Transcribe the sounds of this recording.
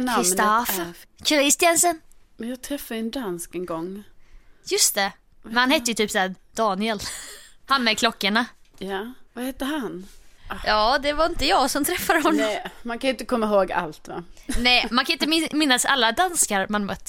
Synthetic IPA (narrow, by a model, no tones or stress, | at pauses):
nk̪ɪst̪afkʰɾɪst̪ɪansənmɛnjɑːɡ̚t̪ʰɾɛfːad̪ɛnd̪anskɛŋɡɔŋː | jɵst̪ɛ | mmɛnhanhɛt̪ːəjɵt̪ʰyːpsæː | d̪̥ɑːnɪɛlhanmɛkʰlɔkːaɳajavahɛt̪ːəɦanjɑːd̪ɛvaɾɪnt̪əjɑːɡsɔmt̪ʰɾɛfːad̪əɦɔnːɔmankʰanjʏɪnt̪əkʰɔmːaɦoːɡa̰lt̪va̰nɛmankʰaɪnt̪əmɪmɪnːasa̰lːad̪anskaɾmanmœ̰t̪ː